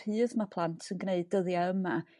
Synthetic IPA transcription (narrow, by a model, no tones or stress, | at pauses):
ɨːðmapʰlˠantʰsənɡneɨdəðjaəma